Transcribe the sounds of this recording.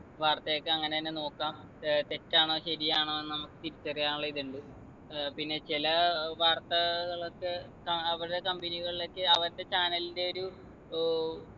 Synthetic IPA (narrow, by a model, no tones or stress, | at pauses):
ʋaːrt̪ɐjokːɨɐŋːɐneɐnːeno̞ːkːaːm | t̪etːaːɳo̞ːɕɐɾijaːɳoːenːɨnɐmukːɨt̪iɾit͡ɕːɐrijaːnuɭːɐiðuɳɖɨ | pinːe̞t͡ɕilɐʋaːrt̪ːɐɣɐɭokːɨ | kɐɐʋiɾuɽekɐmbɐniɣɐɭilo̞kːɨɐʋɐɾɐt̪ːe̞t͡ɕaːnɐlinde̞o̞ɾu